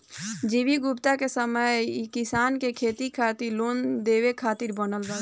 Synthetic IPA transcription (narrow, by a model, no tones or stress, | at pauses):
d͡ʒiʋiɡʊpt̪akesəməjkɪsaːnkekʰeːt̪ikʰaːt̪iɾloːnd̪eːʋekʰaːt̪iɾbənəlɾa